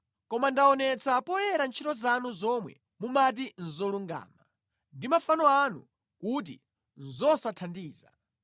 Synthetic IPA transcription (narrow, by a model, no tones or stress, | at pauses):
kɔmandaɔnɛt͡sapɔjɛɾant͡ʃʰitɔzanuzɔmwɛ̰ | mumat̬in̩zɔluŋɡa̰ːma | ndimafanɔanṵ | kut̬ḭ | n̩zɔsatʰandiːza̰